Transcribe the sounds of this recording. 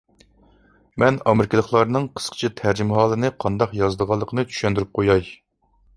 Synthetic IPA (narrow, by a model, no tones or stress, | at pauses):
mɛnɑmɪɾɪkʲɪlˠəχlˠɑɾnɨŋqʰə̥sqʰə̥t͡ʃʰit̪ʰæɾd͡ʒimɦɑːlˠɨnɨqʰɑnd̪ɑqjɑzd̪əʁɑlˠːəqʰənɨt͡ʃʰy̥ʃɛnd̪yɾyp̚qʰojɑj